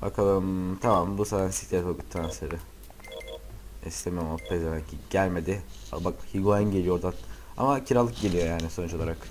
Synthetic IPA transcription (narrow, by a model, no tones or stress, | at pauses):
ba̰kʰalˠɯmt̪ʰamambusaːt̪ænsi̥ct̪et̪okɯt̪ʰːɾanseɾɯ | ɛ̰st̪emijmapːezebæɲcʰiɟælʲme̞d̪ɪa̰bakhiɡuanɟe̞lʲijo̞d̪a | a̰macʰiɾalˠːɯk̚ɟe̞lʲijo̞jaːnisonut͡ʃo̞lˠaɾak